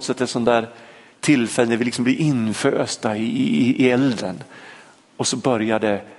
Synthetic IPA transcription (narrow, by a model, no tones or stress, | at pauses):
t̪sɛt̪ːɛt̪sɔnd̪æːɾ | t̪ʰɪlfɛlːənɛɾvɪlɪksɔmbliːʔɪnfø̰ːst̪aɪɪɛld̪ɾə̰n | ɔsɔbœɾjad̪ɛ